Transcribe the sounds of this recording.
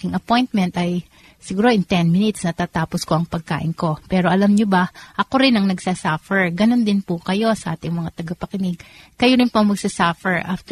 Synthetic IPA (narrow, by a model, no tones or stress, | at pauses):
ɪŋʔɐpo̞jnt̪̚mɛnt̪ʔɐj | sɪɡuːɾo̞ʔɪŋt̪ɛnmɪnɪt̪snɐt̪aːt̪aːposko̞ʔɐŋpɐɡ̚ka̰ːʔɪnko̞pɛːɾo̞ʔɐlamɲobɐʔɐko̞ɾɪnɐŋnɐɡsasafɛɹɡɐno̞nd̪ɪnpʊkɐjo̞sɐʔaːt̪ɪŋmɐŋat̪ɐɡɐpɐkɪnɪɡ̚kɐjoɾɪnpoɐmɐɡ̚sasafɛɹʔaft̪